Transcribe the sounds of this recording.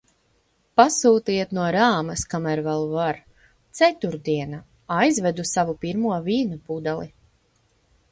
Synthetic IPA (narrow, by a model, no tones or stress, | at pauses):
pasuːt̪iɛt̪nuɔɾaːmɐskamæɾvɛlˠvaɾ | t̪sɛt̪uɾd̪iɛna | ajzvɛd̪usavupiɾmuɔviːnupud̪alˠi